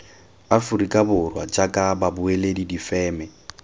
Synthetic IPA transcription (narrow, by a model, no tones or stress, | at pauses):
afurikʼabʊrwa̰t͡ʃʼakʼababʊeledidifɛːmɛ